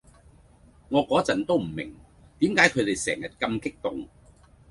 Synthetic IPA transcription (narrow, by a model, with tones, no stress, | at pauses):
ŋɔː˨˧kɔː˨˥t͡sɐ˨˩nt̪o˥wm̩˨˩mɪ̰˨˩ŋ | t̪iː˨˥mkaː˨˥jkʰɵ˨˧ɥt̪e˨jsɛ̰ː˨˩ŋjɐ˨t̚kɐ˧mkɪ˥k̚t̪ʊ˨ŋ